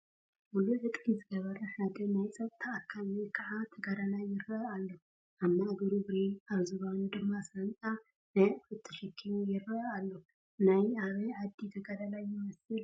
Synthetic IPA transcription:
muluʕɨt̪ʼizɨɡɐβɐɾɐħad̪ɐnajt͡sʼɐtt̪ʰːaʔakʰːamekʰaʕat̪ʰɐɡaɾalajːɪɾːɐalːo | ʔaβmːaʔɡɐɾubɾenaβzɨβanud̪ɨmːasɨɾɐnt͡sʼa | nɐfɨt̪ʰːɐʃɛkʰːijɪɾɐalːo | najaβɨʕad̪ːit̪ʰɐɡaɾalajːɪmɐsɨl

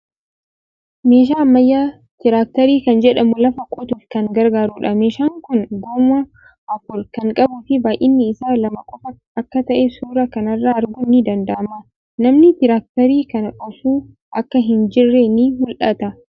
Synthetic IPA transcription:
meːʃ̬aːmːɐjːaː | t̪ɪɾaːk̚t̪ɐɾiːkɐnd͡ʒɛᶑɐmʊlɐfɐkʼɔt̪ufkɐŋɡɐɾɡaːɾuːᶑɐme̞ːʃaːŋkʊnɡoːmɐ | ɐfʊɾkɐŋkʼɐbʊfɪbaːʔɪnːɪɪsaːlɐmɐkʼɔfɐ | ɐkːɐt̪ɐʔɛsuːɾɐkɐnɐrːaːɐɾɡʊnːɪd̪ɐnd̪ɐʔɐma | nɐmnɪt̪ɪɾaːk̚t̪ɐɾiːkɐnʔɔfuː | ʔɐkːɐɦɪnd͡ʒɪrːenihʊlʔɐt̪ɐ

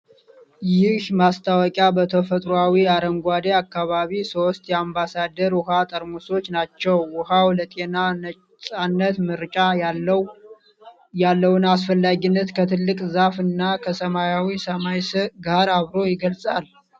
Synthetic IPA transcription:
jɪhmast̪ʰawɔkʼjabət̪ʰəfət̪ʼɾoawiaɾəmɡʷad̪eakːaβaβiso̞st̪ʼjɛambasad̪əɾwʊhat̪ʼəɾmuso̞t͡ʃːnat͡ʃːɛwːʊhawlət̪ʼe̞naə | sʼanːət̪mɨɾt͡ʃʼa | jalːəwʊnas̬fəlːaɡinːət̪kʰət̪ʰɨlːɨkʼzafɨnːakʰəsəmajawisəmajsəɡaɾaβɾo̞jɪɡəlsʼal

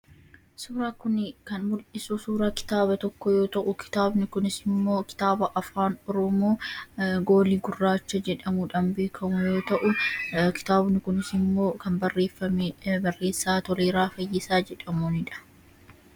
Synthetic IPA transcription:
suːɾaːkʊnkɐnmʊlʔɪsusuːɾakɪ̥t̪aːbɐt̪ɔkːɔjo̞ːt̪ɐʔʊkɪ̥t̪aːbnɪkʊnɪsɪmːoːkɪ̥t̪aːbɐʔɐfaːnɔɾɔmoːɡo̞ːliɡʊrːaːt͡ʃːɐd͡ʒɛᶑɐmʊᶑɐmbe̞ːkʰɐmʊjo̞ːt̪ɐʔʊkɪ̥t̪aːbnɪkʊnɪsɪmːo̞ːkɐmbɐrːe̞ːfːɐmebɐrːe̞ːsːaːt̪ɔleːɾaːfɐjːɪsaːd͡ʒɛᶑɐmunɪᶑɐ̥

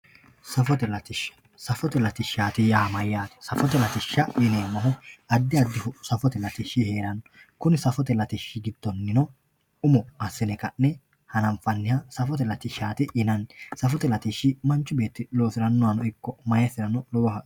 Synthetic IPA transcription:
sɐfɔt̪ɛlɐt̪ɪʃɐ̥ | sɐfɔt̪ɛlɐt̪ɪʃaːt̪ɪjaːmɐjːaːt̪ɛ̥sɐfɔt̪ɛlɐt̪ɪʃːɐʔɪneːnɐɦɔɐd̪ːɪɐd̪ːɪfʊsɐfɔt̪ɛlɐt̪ɪʃːɪheːɾɐnɔ | kʊnɪsɐfɔt̪ɛlɐt̪ɪʃːɪɡɪd̪̥ːɔnːɪnɔ | ʊmɔɐsːɪnɛkɐnːɛ | hɐnɐmfɐnːɪjɐsɐfɔt̪ɛlɐt̪ɪʃaːt̪ɪʔɪnɐnsɐfɔt̪ɛlɐt̪ɪʃːɪmɐnt͡ʃːʊbeːt̪ːɪlo̞ːsɪɾɐnːʊwɐnɔɪkːɔmɐjɐsɪɾɐnɔlɔwɔɦɐ

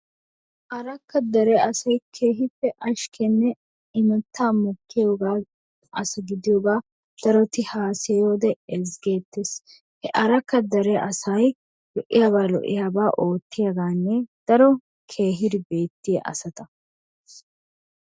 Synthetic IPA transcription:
ʔɐɾɐkːɐd̪ɐɾɛɐsɐjkʰeːɦɪpːɛʔɐʃkʰɛnːɛ | ɪmɛt̪ːaːmɔkːɪjoːɡaː | ʔɐsɪɡɪd̪ɪjoːɡaː | d̪̥ɐɾɔt̪ɪhaːsɛjo̞ːd̪ɛɛzɡe̞ːt̪ːes | hɛʔɐɾɐkːɐd̪ɐɾɛʔɐsɐj | lɔʔɪ̰jaːbaːlɔ̰ʔːɪ̰jaːbaːʔo̞ːt̪ːɪjɐɡaːnːɛd̪̥ɐɾɔ | kʰe̞ːɦɪd̪ɪbe̞ːt̪ːɪjɐ̰ʔɐ̰sɐt̪ɐ

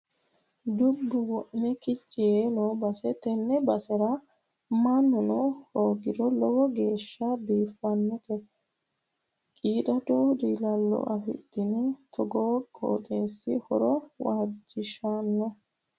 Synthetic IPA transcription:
d̪ʊbːʊwɔʔmɛkɪt͡ʃʼːɪjeːnoːbɐsɛt̪ɛnːɛbɐsɛɾɐ | mɐnːʊnɔhoːɡɪd̪ɔlɔwɔɡeːʃːɐbiːfːɐnːɔk̪ɛ | kʼiːd̪ɐd̪oːd̪iːlɐlːɔ̰ʔɐfɪ̰dːɪnɛt̪ʰɔɡoːɡo̰ːk̪ʼeːsːɪ̰hɔ̰ɾɔwaːd͡ʒɪʃanːɔ

